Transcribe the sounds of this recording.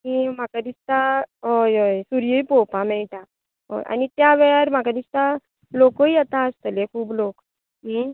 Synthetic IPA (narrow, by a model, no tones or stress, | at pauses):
kim̤akad̪ist̪aɦojojsuɾjəjpopãmɛɭʈa | ɦo̰jʔa̰nit̪jaʋeɭaɾm̤akad̪ist̪a | lokoijɛt̪aəst̪əlekʰuːblok | mi